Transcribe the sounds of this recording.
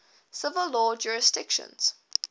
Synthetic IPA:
sɪvəlːɔːd͡ʒuːɹɪsdɪkʃə̰̃nz̥

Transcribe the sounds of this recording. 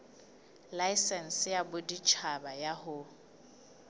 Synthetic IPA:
laisɛn̩sɪjabʊdit͡ʃʰabajahʊ

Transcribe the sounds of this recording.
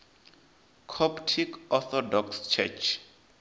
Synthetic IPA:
kʰɔptʰikɔθɔdɔkst͡ʃʰɛ̰t͡ʃʰ

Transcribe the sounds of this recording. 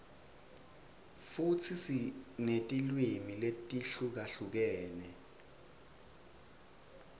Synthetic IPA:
fut͡sʰisinetʼilwimiletʼiɬuk̬aɬuk̬ɛːnɛ

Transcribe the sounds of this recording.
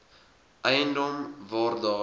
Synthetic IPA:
ʔəjəndɔmvɑːrdɑː

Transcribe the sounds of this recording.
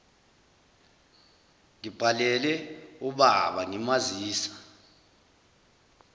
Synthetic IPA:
ŋib̥ʱalɛlɛuɓaɓaŋɛmaziːsḁ

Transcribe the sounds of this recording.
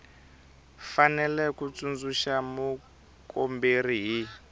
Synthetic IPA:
fanɛlɛkut͡sund͡zuʃamu | komberiɦi

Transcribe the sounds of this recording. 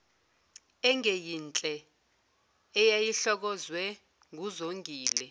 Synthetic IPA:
ɛŋejint͡ɬʼɛ | ɛjajiɬɔk̬ɔzwɛ | ŋʱuzoŋɡʱiːlɛ

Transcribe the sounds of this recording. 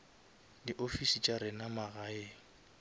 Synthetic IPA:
diʔofisit͡ʃʼaɾɪnamaɣaeːŋ̩

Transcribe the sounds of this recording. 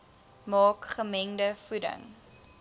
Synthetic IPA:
mɑːkχəmɛŋdəfudə̰ŋ

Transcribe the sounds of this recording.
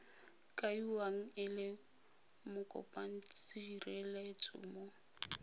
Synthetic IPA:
kʼaiwaŋ̩ɪlɪ | mʊkʼɔ̰pʼan̩t͡st͡siirɛlet͡sʼʊ̰ːmo

